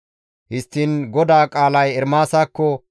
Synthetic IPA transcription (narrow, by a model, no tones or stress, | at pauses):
hɪst̪ːinɡɔd̪aːkʼaːlɐjɛɾmaːsaːkːɔ